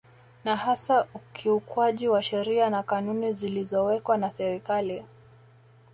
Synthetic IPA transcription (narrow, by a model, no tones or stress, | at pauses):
nahasaukʰiukwaʄiwaʃɛɾianakanunizilizɔwɛkwanasɛɾikali